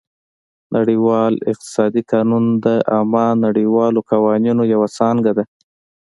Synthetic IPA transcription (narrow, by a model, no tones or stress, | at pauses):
nʔaɽiwɑlɪ̰q̚t̪ɪ̥sɑd̪ikɑnund̪əʔamɑnaɽiwɑlokawɑninojawasɑŋɡad̪a